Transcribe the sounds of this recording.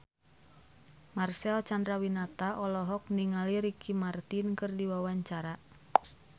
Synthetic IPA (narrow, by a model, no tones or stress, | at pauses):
marsɛlt͡ʃandɾawinat̪aʔɔlɔɦɔk̚niŋaliɾikʰimart̪inkɨrdiwawaɲt͡ʃaɾa